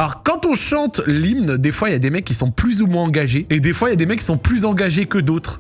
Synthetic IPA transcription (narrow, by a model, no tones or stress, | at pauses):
lɔʁkɑ̃t̪ɔ̃ʃɑ̃t̪limnd̪efwailjad̪emɛkʲːisɔ̃plyzumwɛ̃ɑ̃ɡaʒeed̪efwailjad̪emɛkːi̥sɔ̃plyzɑ̃ɡaʒekəd̪ot̪χ